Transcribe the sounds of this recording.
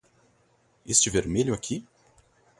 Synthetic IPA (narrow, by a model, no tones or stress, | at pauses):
est͡ʃɪveɾmeʎʊakʲʰi